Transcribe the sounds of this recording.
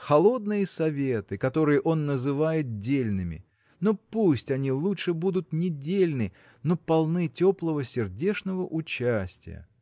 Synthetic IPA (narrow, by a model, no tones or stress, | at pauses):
xɐlˠo̞d̪̚nɨjəsɐvʲe̞t̪ɨkɐt̪o̞ɾɨjəʔo̞nːəzɨvajɪt̪̚dʲelʲnɨmʲɪ̰ | nopusʲtʲɐnʲilˠuʂɨbud̪ʊt̪nʲɪdʲelʲnɨ | no̞pɐlˠnɨtʲo̞plˠəvəsʲɪrdʲe̞ʂnəvəʔʊt͡ɕæsʲtʲɪ̰jə̰